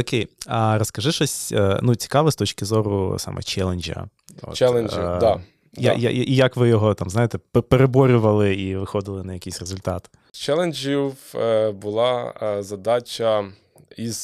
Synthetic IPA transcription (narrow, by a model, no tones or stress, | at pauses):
okʲejɐrɔskɐʒɪʃɔsʲnut͡sʲi̥kɑʋɛst̪ɔt͡ʃkɪzɔɾʊ̰sɑ̰mʔɛ̰t͡ʃɛlˠenʲd͡ʒɐ̰ | ɔ̰tt͡ʃɛlˠenid̪a | j̰ja̰ʔijɐkʋɪjɔɦɔt̪ɑmznɑjet̪ɛpeɾebɔɾʲʊʋɐlˠɪiʋɪxɔd̪ɪlˠɪnɐjɐkʲisʲrezʊlʲt̪ɑt̪ɪ̥ | t͡ʃɛlˠenʲd͡ʒiwbʊlˠɑzɐd̪ɑt͡ʃʲɐ | iz̥